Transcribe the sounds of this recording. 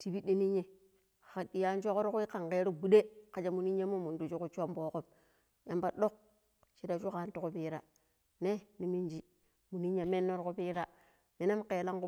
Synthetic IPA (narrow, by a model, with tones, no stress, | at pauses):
ti˨bi˦ɗi˦ni˦ɲːe˨ | xa˨ɗi˨ja˦n˦t͡ʃo˦ko˦ɾku˦i˦ka˨ŋke˦ɾu˦bu˦de˦ka˨d͡ʒa˦mu˨ni˦ɲe˦mo˦mu˨ndu˨t͡ʃu˦ku˦t͡ʃo˦mbo˦ko˦m | ja˨˦mba˦ɗo˦k̚ | t͡ʃi˦da˨t͡ʃu˦ka˨˦ntu˨ku˦pi˦ɾa˨ | ne˦ni˨mi˦nd͡ʒi˦ | mu˨ni˦ɲe˨me˦nːo˦ɾku˦piː˦ɾa˦ | ne˨na˦mke˨la˦ŋku˦